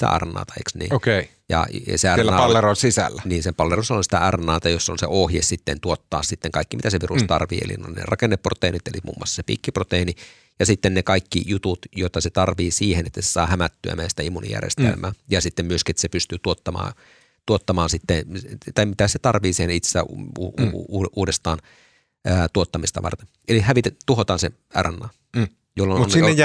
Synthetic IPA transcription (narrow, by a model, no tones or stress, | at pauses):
t̪æ̰ʔɑ̰rnɑ̰ːt̪ɑḛksnḭːokei | jɑ̰seærelæpɑlʋeronsisæ̰lːæniːnsepɑlʋerusonsi̥t̪æærnɑːt̪ɑjosːonseohjessit̪ːent̪uot̪ːɑ̰ːssit̪ːeŋkɑikːimit̪æseʋirust̪ɑrʋḭːḛlḭno̰innḛrɑkenːepːrot̪einit̪ḛlimṵːmːṵɑsːɑ̥sepḭːkːiprot̪eini | jɑsit̪ːennekɑikːḭjut̪ut̪jot̪ːɑset̪ɑrʋiːsiːhenet̪ːæse̥sɑ̰ːhæmæt̪ːyæ̰mæːsi̥t̪æimːunḭjæ̰rjḛst̪ḛlmæ̰ːjɑsit̪ːemmyøskiet̪ːæ̥sepyst̪yːt̪uot̪ːɑmɑ̰ː | t̪uot̪ːɑmɑːnsit̪ːet̪ɑimit̪æset̪ɑrʋiːsiːhenit̪sæː | uːʔuːdest̪ɑːn | æt̪uot̪ːɑmist̪ɑ̰ʋɑ̰rt̪en | elihæʋit̪et̪uhot̪ɑːnsḛ | ærænːɑː | jolːonnie